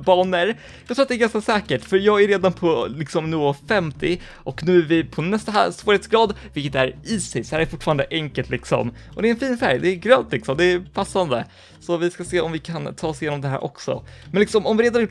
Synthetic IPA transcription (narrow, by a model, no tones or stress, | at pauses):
bɑːɳəɾ | jɑɡkt̪ʰɾuːt̪̚d̪ɛɾɡanskasɛːkəʈfœɾjɑːɡæɾeːd̪anpʰɔlɪksɔmnyːɔfɛmt̪ɪ | ʔɔknʉ̟ːævɪpʰɔnɛst̪aa̰svoːɾheːt̪sɡɾɑːd̪vɪlkət̪æɾisɛshæːɾæɾfʊʈːfɑːɾand̪əʔɛŋkəlt̪lɪksɔ̰mɔd̪ɛɾɛnfiːnfæɾjd̪ɛɡɾœːnt̪lɪksɔmd̪ɛɾpʰasːand̪ə̰ | sɔvɪskaseːɔ̰mvɪkʰant̪ʰɑːsɪjeːnɔmd̪ɛɦæ̰ːɾʔɔ̰ksɔ̰mɛnlɪksɔmɔmvɪɾeːd̪anɾjʊː